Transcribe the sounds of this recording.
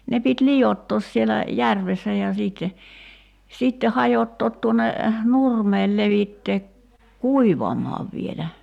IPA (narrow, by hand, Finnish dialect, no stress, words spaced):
ne pit lijotːoːs sielæ jærʋesːæ jɑ siːtːe sitːe hɑjotːoːt tuonˑe nurmeːl leʋitːeː kuiʋɑmɑːʋ ʋielæ